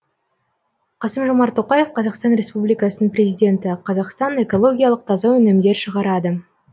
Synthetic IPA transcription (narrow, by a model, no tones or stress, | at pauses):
qʰɑsəmʒo̞mɑɾt̪ʰo̞qɑje̞fqʰɑzɑqst̪ɑnɾʲe̞spublijkɑsənəŋpɾʲe̞zijd̪ʲe̞nt̪ɪqʰɑzɑqst̪ɑne̞ko̞lˠo̞ɡʲijɑlˠəq̚t̪ʰɑzɑwɵnɪmd̪e̞ɾʃəʁɑɾɑd̪ə